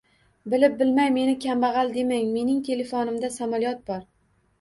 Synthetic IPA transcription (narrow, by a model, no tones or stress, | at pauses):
bɪlɪp̚bɪlmajme̞nɪkʲʰambɑʁɑlˠd̪e̞maŋme̞nɪŋt̪ʰe̞le̞fonɪmd̪asamɒlˠijɒt̪̚bɒɾ